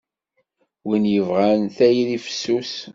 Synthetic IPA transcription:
winjəvʁænθæjðifə̥sːus

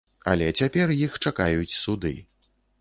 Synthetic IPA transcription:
a̰lʲɛt͡sʲapʲɛrjixt͡ʂakajut͡sʲsud̪ɨ̰

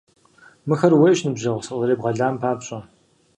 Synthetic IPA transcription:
mɨxɐrweʃnɨbʑɐʁʷsɨqʼɨɾeːbʁɐɮaːmpʰaːpɕʼɐ

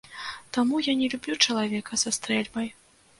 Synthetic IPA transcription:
t̪amujanʲɛlʲubʲlʲut͡ʂɐlˠavʲɛkɐsast̪ɾɛlʲbɐj

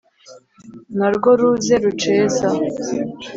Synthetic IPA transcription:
naɾɡo̞ɾuzeɾut͡ʃeːza

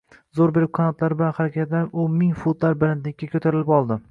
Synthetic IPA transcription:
zoɾbeɾɪp̚qʰɑnat̪laɾbɪlanχaɾakʲat̪laɾonmɪŋfut̪laɾbɪɾant̪lɪk̚ʲːakʲʰɵt̪ʰaɾɪlɪpɒlˠd̪ɪ

